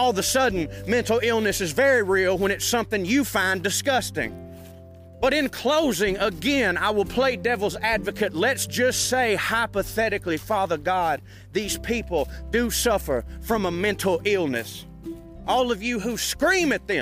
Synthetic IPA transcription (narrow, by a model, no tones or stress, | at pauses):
ɔlˠðəsʌdⁿn̩mɛ̃ntˡl̩ˠɪlˠnɨsɨzvɛɹiɹilˠwə̃ñɨtsʌ̃mθɪ̃ŋjɨfãɪ̃ndɨskʌstɪ̰̃ŋ | b̥ʌɾɨ̃nkʰl̥oʊzɪ̃ŋəɡɛ̃naɪwəlˠpʰl̥eɪdɛvl̩ˠzædvɨkʰɨtˡlɨtsd̥ʒ̥ʌstseɪhaɪpəθɛɾɨklifɑðə˞ɡɑd̪̚ | ðiz̥pʰipl̩ˠdɨsʌfə˞fɹʌ̃məmɛ̃ntʰˡl̩ˠɪlˠnɨs | ʔɔlˠʌvjɨɦuskɹĩmɨt̪̚ðɨ̃